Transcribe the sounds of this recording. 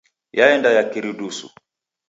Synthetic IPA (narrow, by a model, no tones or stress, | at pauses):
jaɛndajakiɾiɗusṵ